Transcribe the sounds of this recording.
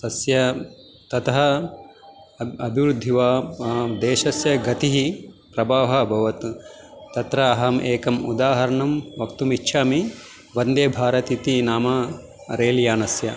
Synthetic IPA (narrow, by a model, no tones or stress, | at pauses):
t̪ɐsjɐ | t̪ɐt̪ɐɦɐ | ɐbʱiʋɾud̪ʱːiʋaːd̪eːʃɐsjɐɡɐt̪iɦipɾɐbaːʋɦɐbʱɐʋɐt̪ː | ɐt̪ɾɐːɦɐmʔeːkɐmud̪aːɦɐɾɐɳumʋɐkt̪umitːʃʰaːmi | ʋɐnd̪eːbʱaːɾɐt̪it̪inaːmɐ | ɾeːljaːnɐsjɐ